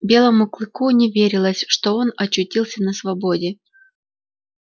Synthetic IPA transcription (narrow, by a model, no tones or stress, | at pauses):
bʲe̞lˠəmʊklˠɨkunʲɪvʲeɾʲɪlˠəsʲʂt̪o̞o̞nɐt͡ɕːʊtʲilˠsʲənəsvɐbodʲɪ